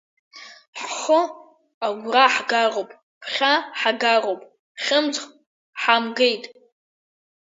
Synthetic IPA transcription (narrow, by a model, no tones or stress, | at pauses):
ħʷʊ | aɡʷraħɡarowpʼ | pʰχʲaħaɡarowpʼʰ | χʲɪmd͡zχ | ħamɡejtʼ